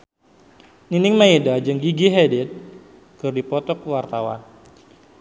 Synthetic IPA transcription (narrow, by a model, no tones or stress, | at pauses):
ninɪŋmaidad͡ʒɨŋɡiɡiɦɛdɛt̪̚ | kɨrdipɔt̪ɔkwart̪awa̰n